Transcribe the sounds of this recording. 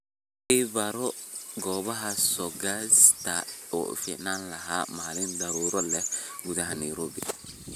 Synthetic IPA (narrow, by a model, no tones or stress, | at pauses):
ibaɾɔɡɔbaɦasɔɡast̪aɔ̰finanlaɦamaːlɪnd̪aɾuɾɔlɛɡud̪aɦaniɾobḭ